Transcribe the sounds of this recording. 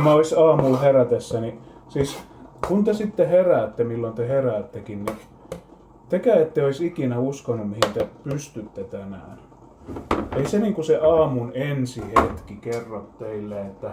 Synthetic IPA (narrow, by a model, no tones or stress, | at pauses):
mæoisɑːmulheræt̪esːænisiːskunt̪esit̪ːeheræːt̪ːemilːont̪eheræːt̪ːekinni | t̪ekæet̪ːeoisikinæuskonːummihint̪epyst̪yt̪ːet̪ænæ̰ːn | eiseniːŋkuseʔɑːmunensihet̪kikerːot̪t̪eilːeet̪ːæ